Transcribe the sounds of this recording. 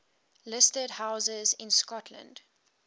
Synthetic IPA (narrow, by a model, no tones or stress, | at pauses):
lɪstədhaʊzəzɪ̃nskɔtʰlə̰̃nd̥